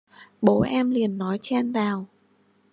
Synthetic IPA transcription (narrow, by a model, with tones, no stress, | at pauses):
ɓo̰˧˥ʔɛ˧mli˨˩ənːɔ˨˦jt͡ɕɛ˧nzaː˨˩w